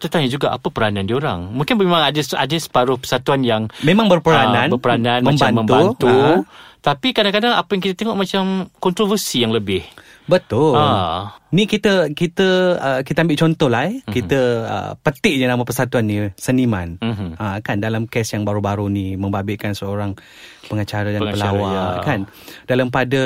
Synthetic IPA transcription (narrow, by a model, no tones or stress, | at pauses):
t̪ət̪aɲad͡ʒuɡaʔa̰pəpəɾanãndioɾa̰ŋmũŋkɪnmemaŋadəa̰dəsə̥paɾʊhpə̥sat̪uanjaŋmemãŋbərpəɾanãnbərpəɾanãnmãmbt͡ʃbanmːə̃mbuat̪ | t̪apikadaŋkadaŋa̰pajaŋkit̪at̪eŋɔʔmat͡ʃamkɔnt̪ɾovərsijaŋləbɪh | bət̪ʊlanĩkit̪əkit̪əəkit̪əambɪʔt͡ʃɔnt̪ɔhlakit̪əə̰pət̪ɪʔɲənamapəsat̪uanːisənimanakandalamkɛsjaŋbaɾubaɾunĩməmbabɪʔkansəoɾaŋ | pəŋət͡ʃaɾadapəlawaakan | dalampadə